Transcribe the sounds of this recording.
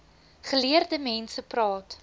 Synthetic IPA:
χəliərdəmɛnsəprɑːt

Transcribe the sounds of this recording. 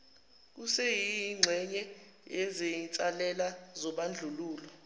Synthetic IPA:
k̬usɛjiŋ͡ǀʱɛɲɛ | ɛzejint͡sʼalɛlazɔɓand͡ɮʱuluːlɔ

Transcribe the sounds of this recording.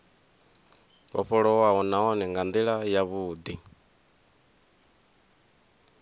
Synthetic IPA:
βɔ̰ɸɔɺɔwaɔnaɔnɛŋɡand̪iɺajaβuːd̪i

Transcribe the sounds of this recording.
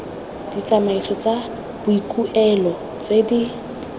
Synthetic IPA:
d̥it͡sʼamaisʰɔt͡sʼa | b̥ʊikʼuʔɛlɔ | t͡sʼedi

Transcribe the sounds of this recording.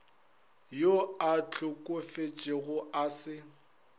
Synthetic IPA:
joat͡ɬʰʼʊkʼʊfet͡ʃʼɪɣʊasɪ

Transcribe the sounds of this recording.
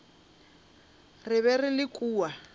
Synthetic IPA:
rɪβɛrɪlɪkʼuːwa

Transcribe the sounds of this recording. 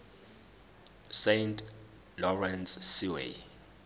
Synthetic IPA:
sejntʰʼ | lɔrɛnsːiwḛ

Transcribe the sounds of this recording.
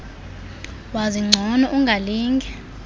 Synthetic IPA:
waziŋ͡ǀʱɔnɔʔuŋɡʱaliːŋɡʱɛ

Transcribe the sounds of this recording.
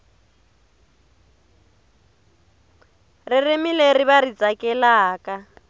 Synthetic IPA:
riremileriβarit͡sʼakɛlaːka

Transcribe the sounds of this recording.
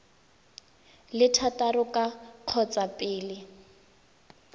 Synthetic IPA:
lɪtʰatarʊkʼaq͡χʰɔt͡sʼapʼɪːlɪ

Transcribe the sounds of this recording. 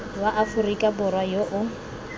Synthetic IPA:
waʔafʊrikʼabʊrwajoʔʊ

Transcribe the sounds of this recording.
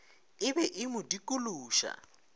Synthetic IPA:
ɪbɛʔɪmudikʼuluːʃa̰

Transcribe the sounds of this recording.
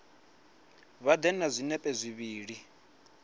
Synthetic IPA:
βad̪ɛnazʷinɛpʼɛzʷiβiːɺi

